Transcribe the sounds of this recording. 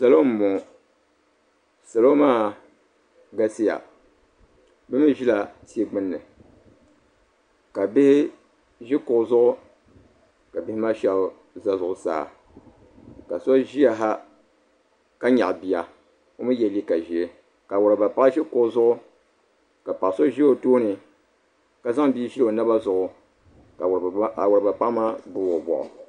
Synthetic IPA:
sa˨lo˦m̩˨˦mo˨ | sa˨lo˦maː˦ | ɡa˦si˦ja̰˨ | bɨ˦mi˦ʒi˦la˨ti˦e˦ɡ͡bɨ˦nːɨ˨ | ka˨bɪ˦hɪ˦ | ʒɪ˦kʊ˨˦zʊ˦ʔʊ˦ | ka˨bɪ˦hɪ˦ma˦ʃɛ˨l | za˦zʊ˨ʊ˨sa̰ː˦˨ | ka̰˨so˦ʒi˦ja˨ɦa˦ | ka˦ɲa˨ʔbi˨ja˨ | o˦mɨ˦jɛ˨li˦ka˨ʒi˨e˦ | ka˨wʊ˨ɾa˨ba˨pa˦ʔʒi˦kʊ˨ʔʊ˦˨zʊ˦ʔʊ˦ | ka˨pa˨so˦ʒi˦o˨toː˦nɨ˨ | ka˨za˦ŋbiː˦ʒi˦˨o˨na˦ba˦zʊ˨ʔʊ˨ | a˨wʊ˨ɾba˨pa˦ma˦bʊ˨o˨bɔ̰˨ʔʊ̰˨

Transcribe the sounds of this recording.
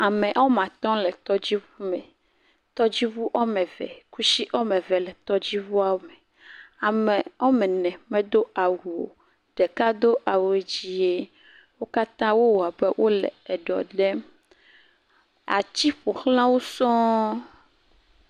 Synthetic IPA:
a˨mɛ̃˨ʔɔ˦mã˨t̪ɔ̃˦lɛ˨t̪ɔ˦d͡ʑi˦vu˦mɛ˨ | t̪ɔ˦d͡ʑi˦vu˦ʔɔ˦mɛ̃˨vɛ̰˨ku˦si˦ʔɔ˦mɛ̃˨vɛ˨lɛ˨t̪ɔ˦d͡ʑi˦vu˦a˦˨wo˦mɛ˨ | a˨mɛ˨ɔ˦mɛ˨nɛ̃˨mɛ̃˦d̪o˦a˨wu˨o̰˨ | ɖ̥ɛ˨ka˦d̪o˦ʔa˨we˨d͡ʑi˦je˦ | wo˦ka˦t̪ã˦wo˦wo˨a˨be˦wʔo˦lɛ̰˨ɛ˨ɖɔ̰˨ɖɛ˦ | a̰˨t͡ɕi˦ɸo˨xl̃ã˦wo˦sɔ̃˦

